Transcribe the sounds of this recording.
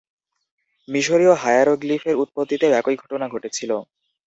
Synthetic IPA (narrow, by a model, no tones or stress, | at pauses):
miʃoɾioɦajaɾoɡlifʰeɾut̪̚pod̪ːit̪eoɛkojɡʱɔʈonaɡʱoʈet͡ɕʰilo